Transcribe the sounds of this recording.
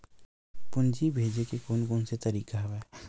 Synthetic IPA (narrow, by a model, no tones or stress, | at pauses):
pʊnd͡ʒibʱeːd͡ʒekekoːnkoːnset̪ɐɾiːkaɦwɛː